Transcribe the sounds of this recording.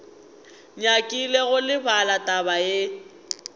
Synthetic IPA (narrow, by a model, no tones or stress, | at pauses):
ɲakʼileɣʊlɪbalatʼabaje